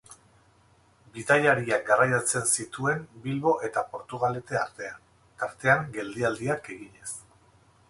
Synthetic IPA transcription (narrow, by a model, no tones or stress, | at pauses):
bit̪aʎaɾiak̚ɡarajat͡se̞nsit̪ue̞mbilβo̞ʔe̞t̪apo̞ɾt̪uɣ̞ale̞t̪e̞aɾt̪e̞an | t̪aɾt̪e̞aŋɡe̞ld̪iald̪iake̞ɣiɲe̞s